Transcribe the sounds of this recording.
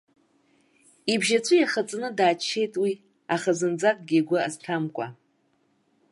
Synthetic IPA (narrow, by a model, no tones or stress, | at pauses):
ibʒat͡sʷʰɨjaχat͡sʼnɨdaːt͡ʃʰːe̞jtʼwi | aχazɨnd͡zakʼɡʲiɡʷʊa̰ztʰamkʷʼa